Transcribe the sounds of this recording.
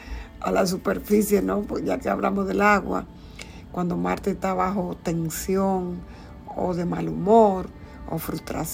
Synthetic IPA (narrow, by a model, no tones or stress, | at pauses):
alas̬upe̞ɾfisje̞nopʝakeaβla̰mozðe̞laɣwa̰ | kwand̪o̞ma̰ɾt̪est̪aβaxo̞t̪e̞nsjoŋ | o̰ðe̞malumoɾ | o̰fɾust̪ɾa̰s